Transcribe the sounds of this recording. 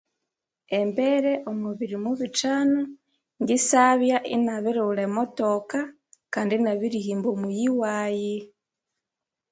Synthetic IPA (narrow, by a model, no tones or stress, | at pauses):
embeɾeʔomuβiɾimuβit͡ʃano | ŋɡisaβjaʔinaβiɾuulemotoka | kaːndinaβiɾihiːmbomujiwaːji